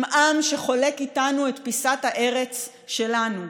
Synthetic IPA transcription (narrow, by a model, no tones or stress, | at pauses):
mʔamʃe̞χo̞le̞kitanue̞tpisathaʔe̞ʁe̞t͡s | ʃe̞lanu